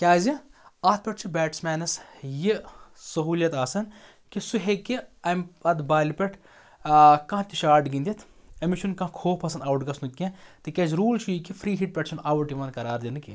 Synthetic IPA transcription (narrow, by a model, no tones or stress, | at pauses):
kʲaːziɐt̪̚ʰpʲɛʈ̚ʰt͡ʃʰibʲɛːʈsmɛːnɐsjisɐɦuːljɐt̪aːsɐn | kisuɦekiɐmʲɐt̪baːlʲipʲɐʈʰ | kɐ̃ːt̪iʃaːʈɡĩnd̪ʲit̪ʰɐmit͡ʃʰunkɐ̃kʰoːpʰɐsɐnd̪aːʋuʈɡɐsnukʲːĩt̪ɨkʲɐzɾuːlt͡ʃʰujikifʰɾiːɦiʈ̚pʲɛʈʰt͡ʃʰunaːʋɐʈiʋɐnd̪kɐɾaːɾd̪ʲind̪ɨkʲḭ